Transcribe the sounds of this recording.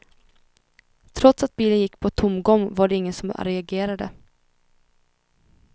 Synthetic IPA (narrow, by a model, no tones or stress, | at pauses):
t̪ʰɾɔt̪sat̪̚biːlənjɪkːpʰɔt̪ʰʊmːɡɔŋːvaɖɛɪŋːənsɔma̰ɾɛaɡeːɾad̪ə̰